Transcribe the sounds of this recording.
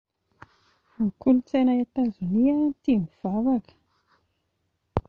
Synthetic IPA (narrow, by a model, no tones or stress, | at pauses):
akulut͡senajat̪azuniat̪imiv̥avakə̥